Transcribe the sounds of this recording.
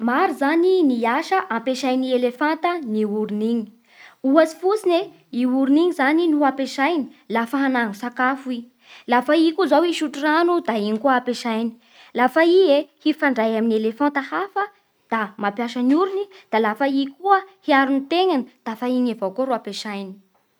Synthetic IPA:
maɾizaniniaʃəʔãmpeʃajnielefant̪əniuɾuniɲi̥ | uasi̥fut͡sine | iuɾiniŋizaninuapeʃajni̥lafəɦanaŋusakafui | lafaikuzawiʃuʈ͡ʂuranud̪aiŋkuapeʃajni̥ | lafaiehifaɳɖ͡ʐajaminielefãnt̪əhafə | d̪̥amapjaʃənuɾunid̪̥alafaikuəhiaɾunit̪eŋanid̪̥afaiɲavowkoɾuapeʃajni̥

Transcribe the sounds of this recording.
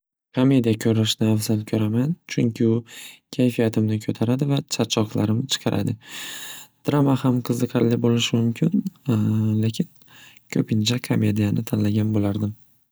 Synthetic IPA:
kʰome̞d̪ijakʲʰɵɾaʃnɪafzalkʲʰɵɾamant͡ʃʰʊŋkʲɪʊkʲʰajfijat̪ʰɪmnɪkʲʰɵt̪ʰaɾad̪ɪvat͡ʃʰat͡ʃʰːɒqlˠaɾɪmt͡ʃʰɨ̥qʰɑɾʔa̰d̪ɪ | d̪̥ɾamahamqʰɨzɨqʰɑɾlɪbolɪʃɪmʊmkʲʰɪn | le̞kʲʰɪn | kʲʰɵpʰɪnt͡ʃʰakʰome̞d̪ijanɪt̪ʰanlaɡʲanbolaɾd̪ɪm

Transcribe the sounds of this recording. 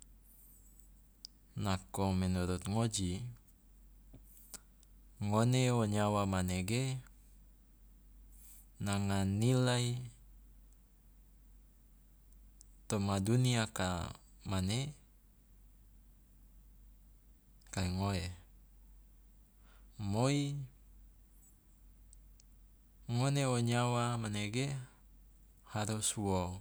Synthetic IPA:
nakomɛnuɾut̪̚ŋod͡ʒi | ŋoneoɲawamaneɡe | naŋanilai | t̪omaduniaka̰ | mane | kaeŋoe | moi | ŋoneoɲawamaneɡe | haɾuswo

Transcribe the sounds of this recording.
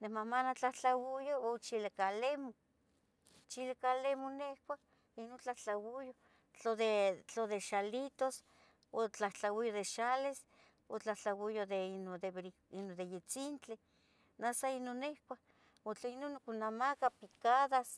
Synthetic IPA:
nemamanat͡ɬaht͡ɬawujoot͡ʃilakalemo | t͡ʃilakalemonehkʷa | inont͡ɬaht͡ɬawujo | t͡ɬoðet͡ɬoðeʃalit̪os | ot͡ɬaht͡ɬawijoðeʃales | ot͡ɬaht͡ɬawijod̪enod̪eβɾi | inod̪ejet͡sint͡ɬe | nasainonːehkʷa | ot͡ɬainonokunamakapikaðas

